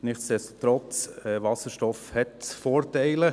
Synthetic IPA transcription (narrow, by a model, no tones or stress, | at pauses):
nɪχtsd̥ɛstot̪ɾɔt͡sɛvɑsəʃtɔfhɛtfoːɾtɛɪlə